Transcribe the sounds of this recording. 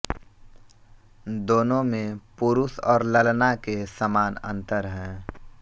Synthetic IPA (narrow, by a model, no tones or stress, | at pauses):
d̪oːnõmẽpʊɾʊsɔːɾləlnakesəmaːnə̰̃nt̪əɾɦɛ̃ː